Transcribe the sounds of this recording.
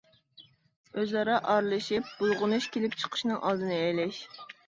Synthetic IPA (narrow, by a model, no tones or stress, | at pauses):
øzɑɾɑʔɑɾlˠɨʃɪp̚b̥ulˠʁʊnuʃkʲelɪp̚t͡ʃʰə̥qʰə̥ʃnɨŋʔɑlˠd̪ɨnɨɛjlɛʃ